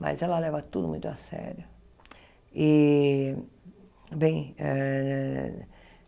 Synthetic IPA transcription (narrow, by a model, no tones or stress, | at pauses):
ma̰zɛlɐlɛvɐt̪ud̪ʊmũj̃t̪ʊasɛ̰ɾjʊ | i | bẽj̃ɛ